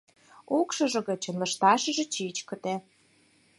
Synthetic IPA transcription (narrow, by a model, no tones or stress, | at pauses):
ukʃɤ̆ʒɤ̆ɣə̆t͡ɕə̆nlə̆ʃt̪ɑʃə̆ʒɤ̆t͡ɕit͡ɕkə̆t̪e